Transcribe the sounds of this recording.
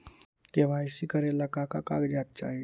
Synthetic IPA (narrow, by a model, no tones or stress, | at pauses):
keʋajsikəɾelakakakakd͡ʒaːt̪̚t͡ʃa̰ːɦi